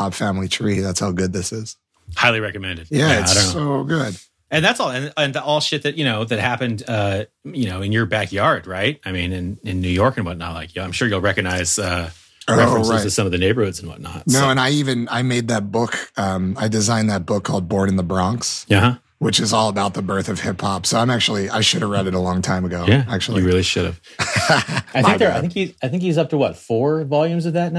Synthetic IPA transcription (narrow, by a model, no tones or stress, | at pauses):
ɑb̥fæ̃mlitʰɹ̥iðætshaʊɡʊd̪̚ðɪsɪz̥ | haɪlˠiɹɛkɨmɛ̃ndɨd̥̚jæaɪõnːoʊɡʊd̥ | ɨ̃nðætsɔlˠɨ̃nɨ̃nðiʔɔlˠʃɪt̪̚ðɨt̚jɨnoʊðɨt̚hæpɨ̃ndʌ | jɨnoʊɨ̃njə˞bækjɑɹd̚ɹaɪt̚aɪmĩnɪ̃nɪ̃nːʉjɔɹkɨ̃nwʌtⁿnɑ̰t̚ˡlaɪkʰjɨãɪ̃mʃʊɹjulˠɹɛkɨɡ̚naɪz̥ʌ | oɹɛʊɹaɪɨ̥sʌ̃mʌvðɨneɪbə˞hʊdz̃n̩wʌ̰tⁿnɑ̰t̚nnoʊə̃naɪivɨ̃naɪmeɪd̪̚ðɨt̚b̥ʊkʌ̃maɪdɨzãɪ̃nðɨt̚b̥ʊkʰːɔlˠd̚bɔɹɾɨ̃n̩ðəbɹɑ̃ŋksʌhʌ | wɨt͡ʃɨzɔlˠəbaʊt̪̚ðəbɜ˞θʌv̥hɪpʰhɑpsoʊãɪ̃mæk̚t͡ʃul̩ˠiʔa̰ɪʃʊɾɨvɹɛɾɨɾəlɔ̃ŋtʰãɪ̃məɡoʊjææk̚t͡ʃʉl̩ˠɨiɹɪlˠiʃʊɾɨ̰v̥ | aɪɪ̃ŋkðə˞aɪθɪ̃ŋkhiaɪθɪ̃ŋkhizʌp̚tʰəwʌtfɔɹvɑlˠjʉ̃mzʌvðɨtⁿn